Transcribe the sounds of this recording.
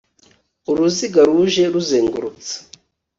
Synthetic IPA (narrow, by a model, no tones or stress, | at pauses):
uɾuziɡaɾuʒe̞ɾuzeːŋɡuɾut͡sḁ